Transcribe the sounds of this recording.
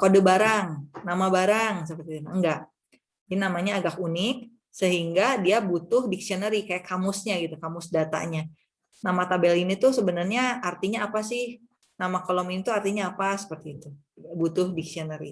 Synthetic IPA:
kodəbaɾaŋnamabaɾaŋs̬əpərt̪iunaŋɡaʔ | d͡ʒainamaɲaːɡakunɪk̚ | səɦiŋɡadiabut̪ʊhdiksionəɾikajaʔkamʊsɲaɡit̪ukamʊsdat̪a̰ɲa | namat̪abɛlinit̪usəbənərɲaart̪iɲaːpasɪh | namakolominit̪uart̪iɲaːpasə̥pərt̪iːt̪u | abut̪ʊhdiksionəɾḭ

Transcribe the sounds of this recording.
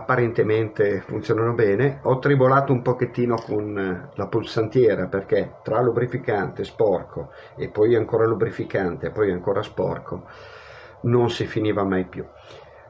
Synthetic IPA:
apːaɾent̪ement̪efunt̪sjonanobɛːneɔt̪ːɾibolaːt̪oumpoket̪ːiːnokʰonlapulsant̪jɛːɾaperket̪ɾalubɾifikant̪espɔrkʰo | epːɔjaŋkoːɾalubɾifikant̪eːpːɔjaŋkoːɾaspɔ̰rkʰo | nonsifiniːvamajpju

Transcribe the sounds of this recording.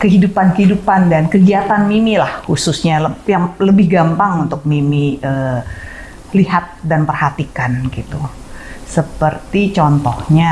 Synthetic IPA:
kəɦidupankəɦidupandankəɡiat̪anmimilahhususɲaləjaŋləbɪhɡampaŋunt̪ʊk̚mimiə | lihat̪̚danpərhat̪ikanɡit̪u | səpərt̪it͡ʃɔnt̪ɔhɲa

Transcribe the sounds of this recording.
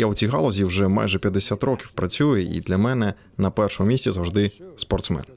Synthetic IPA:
jawt͡sʲiɣalˠɔzʲiwʐɛma̰jʐɛpʲjɐd̪ːesʲat̪ɾɔkʲiwpɾɐt͡sʲujɛʔḭd̪lʲɐmɛnɛ | nɐpɛrʂɔmɔmʲisʲtʲɛzɐwʐd̪ɪspɔrt̪smɛ̰n

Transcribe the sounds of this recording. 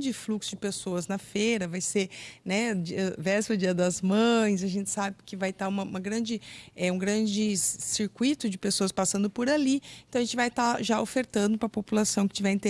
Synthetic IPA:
d͡ʒɪfluksʊd͡ʒɪpesoɐznɐfeɾɐvajsenɛd͡ʒiɐvɛsʊd͡ʒiɐd̪ɐzmɐ̃j̃s̬aʒẽnt͡ʃɪ̥sabɪkɪvajt̪aũmɐũmɐɡɾɐ̃d͡ʒɪɛũɡɾɐ̃d͡ʒɪsiɾkwit̪ʊd͡ʒɪpesoɐspasɐ̃nd̪ʊpoɾalieẽɐ̃ɐʒẽnt͡ʃɪvajt̪aʒaofeɾt̪ɐ̃nd̪ʊpɾɐpopulasɐ̃w̃kɪ̥t͡ʃivɛɾẽt̪e

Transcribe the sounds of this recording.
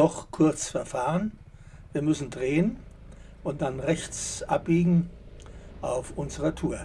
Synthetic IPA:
ɔχkʰʊɐt͡sfɛɐfaːʁən | viːɐmʏsn̩dʁeːən | ʔʊnt̚d̥anʁɛçt͡sʔap̚b̥iːɡŋ̩ | ʔaʊfʔʊnzəʁɐtʰuːɐ

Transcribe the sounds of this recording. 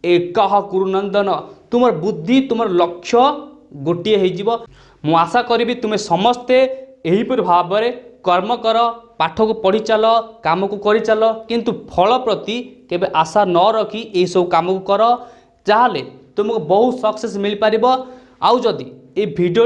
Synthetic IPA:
ekɔɦɔkuɾunɔnd̪ɔnɔt̪umɔɾɔbud̪ʱːit̪umɔɾɔlɔkʰːjɔɡoʈieɦejd͡ʒibɔ | mũasakɔɾibit̪umesɔmɔst̪eeɦipɔɾibʱabɔɾekɔɾmɔkɔɾɔpaʈʰɔkupɔɽ̤it͡ʃalɔkamɔkukɔɾit͡ʃalɔkint̪upʰɔɭɔpɾɔt̪ikebeʔasanɔɾɔkʰiʔeɦisɔbukamɔkukɔɾɔ | d͡ʒaɦalet̪umɔkubɔɦusɔksesmilipaɾibɔ | awd͡ʒɔd̪iebʱiɖo

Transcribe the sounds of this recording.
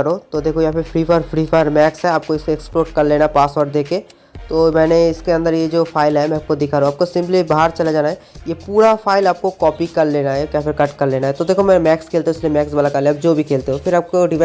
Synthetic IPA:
ɐɾot̪od̪eːkʰojɐɦãpepʰɾiːpʰaːɾpʰɾiːpʰaːɾmɛːksɦɛaːp̚koɪseɛksploːɾʈ̚kɐɾleːnapaːsʋəɾɖd̪eːke | t̪oːmɛːneɪskeə̃nd̪əɾjed͡ʒoːpʰaːɪlɦɛmɛ̃ɐp̚kod̪ɪkʰaːɾõaːp̚kosɪ̃mplibaɦəɾt͡ʃɐlad͡ʒaːnaɦɛjepuːɾapʰaːɪlaːp̚kokɔːpikɐɾleːnaɦɛkjaːpɪɾkɐʈkɐɾleːnaɦɛt̪od̪eːkʰomɛ̃mɛːkskʰeːlt̪eɦõɪsliemɛːksbalakɐɾlẽɐp̚d͡ʒoːbʱikʰeːlt̪eɦõpʰɪɾaːp̚koɖɪʋ

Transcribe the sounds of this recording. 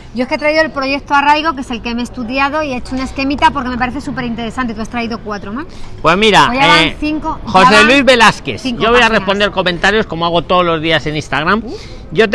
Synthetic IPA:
ɟ͡ʝo̞eske̞t̪ɾaiðoelpɾo̞ʝe̞k̚t̪oaraðiɣo̞k̬e̞se̞lkeeme̞ːst̪uðjað̞o̞iet͡ʃounae̞ske̞mit̪apo̞ɾkeme̞paɾe̞θe̞supe̞ɾint̪e̞ɾe̞sant̪et̪uast̪ɾaiðo̞kwat̪ɾo̞maspwe̞zmiɾaojaaθiŋkoxoselwizβe̞laskeθiŋkʝoβojarespo̞nd̪eɾko̞mẽnt̪aɾjo̞sko̞moaɣ̞o̞t̪o̞ðolo̞zðiase̞nĩst̪aɣɾam | ɟ͡ʝo̞t̪

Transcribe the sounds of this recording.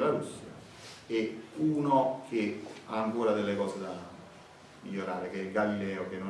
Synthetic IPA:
laɾusːja̰ | euːnok̟eaːŋkoːɾad̪elːekɔːsed̪a | miʎːoɾaːɾek̟eɡalilɛːok̟enːo

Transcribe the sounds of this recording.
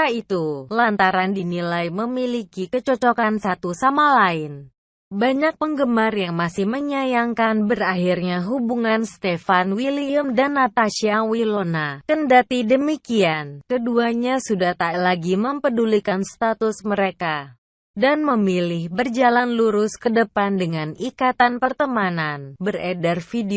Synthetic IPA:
ait̪ulant̪aɾandinilajməmilikikət͡ʃɔt͡ʃokansat̪usamalaɪn | baɲak̚pəŋɡəmarjaŋmasɪhməɲajaŋkanbəraɦirɲaɦubuŋanst̪efanwiliəmdanːat̪aʃiawilonakəndat̪idəmikiankəduaɲasudaht̪alaɡiməmpədulikanst̪at̪ʊsməɾeka | danməmilɪhbərd͡ʒalanluɾʊskədəpandəŋanikat̪anpərt̪əmananbərɛdərfide

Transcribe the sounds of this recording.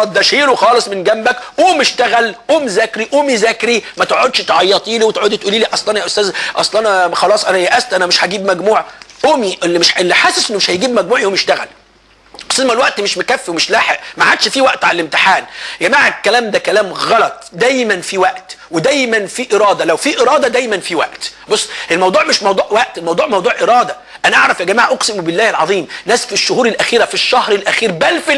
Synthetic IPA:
ɑd̪æʃiːɾwxɑːlesˤmenɡæmbækʔoːmeʃt̪æɣælʔoːmzæːkɾiʔoːmizæːkɾimæt̪eʕod̪ʃt̪eʕɑjːɑt̪ˤiːliːwet̪eʕod̪et̪ʔuːliːliːʔɑsˤlɑnɑjæʔost̪æːzʔɑsˤlɑnæxɑlɑːsˤʔænæjæʔæst̪ʔænæmeʃhæɡiːbmæɡmuːʕʔoːmiʔelːimeʃelːiħaːsæsʔenːmeʃhæjɡiːbmæɡ̚muːʕʔoːmjeʃt̪æɣæ̰l | ʔost̪æːzmælwæʔt̪meʃmekæfːwemeʃlaːħeʔmæʕad̪ʃfiwæʔt̪ʕalælemt̪ɪ̥ħaːnɡæmaʕekːælæːmd̪ækælæːmɣɑlɑt̪ˤd̪æːjmænfiwæʔt̪wed̪æjmænfiʔeɾˤɑːd̪ɑlæwfiːʔeɾˤɑːd̪ɑd̪æːjmænfiwæʔt̪bosˤːʔelmɑwd̪ˤuːʕmeʃmɑwd̪uːʕwæʔt̪elmɑwd̪ˤuːʕmɑwd̪ˤuːʕʔeɾˤɑːd̪æ | ʔænæʔɑʕɾˤɑfjæɡæmaːʕaʔoqsemubelːæːhelʕɑðˤiːmnæːsfiʃːohuːɾelʔæxiːɾæfiʃːɑhɾelʔæxiːɾbælfi

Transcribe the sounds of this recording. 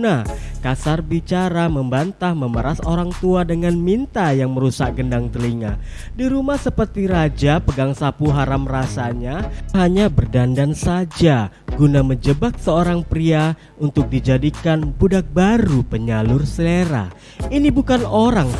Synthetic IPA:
nah | kasarbit͡ʃaɾaməmbant̪ahməməɾasoɾaŋt̪uadəŋanmint̪ajaŋməɾusaʔɡəndaŋt̪əliŋa | diɾumahsəpərt̪iɾad͡ʒapəɡaŋsapuɦaɾamrasaɲaɦaɲabərdandansad͡ʒaɡunaməɲd͡ʒəbak̚səoɾaŋpɾia | unt̪ʊk̚did͡ʒadikanbudak̚baɾupəɲalʊrsəleɾa̰ | inibukanoɾaŋ

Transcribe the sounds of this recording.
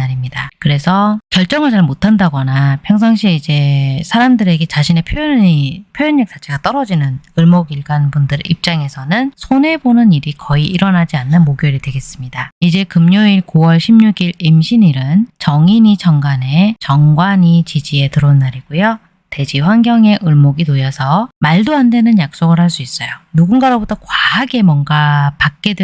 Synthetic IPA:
aɾimɲidakɯɾe̞sʰʌkjʌɭt͡ɕ͈ʌŋɯɭt͡ɕaɭmotʰandaɡʌnapʰjʌŋs̬ʰaŋɕʰiid͡ʑe̞sʰaɾamdɯɾe̞ɡe̞t͡ɕaɕʰine̞pʰjojipʰjojuɲːak̚s͈at͡ɕʰe̞ɡat͈ʌɾʌd͡ʑinɯnɯɭmoɡiɭɡanbundɯɾip̚t͡ɕ͈aŋe̞sʰʌnɯnsʰone̞bonɯniɾikʌiiɾʌnad͡ʑianːɯnmoɡjoɾidwe̞ɡe̞s͈ɯmɲidaid͡ʑe̞kɯmɲoiɭkuwʌɭɕʰimɲuɡiɭimɕʰiniɾɯnt͡ɕʌŋiɲit͡ɕʌŋɡane̞t͡ɕʌŋɡwaɲit͡ɕid͡ʑie̞tɯɾonːaɾiɡ̥ujo | te̞d͡ʑiɸwanɡjʌŋe̞ʔɯɭmoɡinojʌsʰʌmaɭdoɦandwe̞nɯnjak̚s͈oɡɯɭhaɭs͈uis͈ʌjonuɡunɡaɾobotʰʌkwaːɡe̞mʌnɡapak̚k͈e̞d

